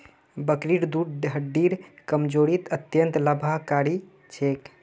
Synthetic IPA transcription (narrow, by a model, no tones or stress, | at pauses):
bəkɾiɾd̪uɖɖɦəɖiɾkəmd͡ʒoɾit̪ət̪jənt̪ləbʱakaɾi | t͡ʃʰek